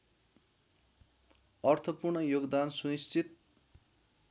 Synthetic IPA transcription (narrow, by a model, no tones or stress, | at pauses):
ʌrt̪ʰʌpurɳʌjoɡd̪ansuist͡sʰit̪̚